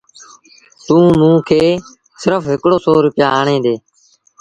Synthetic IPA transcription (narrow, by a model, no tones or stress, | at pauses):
t̪ũːmũːkʰeː | sɪɾəfɦɪkɽoːsoːɾʊpɪjaːɦaːɳẽːd̪eː